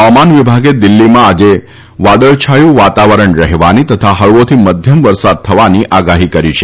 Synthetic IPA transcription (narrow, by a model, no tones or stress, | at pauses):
ʋamanʋibʱaɡed̪ɪlːimãːd͡ʒe | ʋad̪əɭt͡ʃʰajũʋat̪aʋəɾəɳɾəɦʋanit̪ət̪ʰaɦəɭʋot̪ʰiməd̪ʱjəmʋəɾsad̪̚t̪ʰəʋaniʔaɡaɦikəɾit͡ʃʰe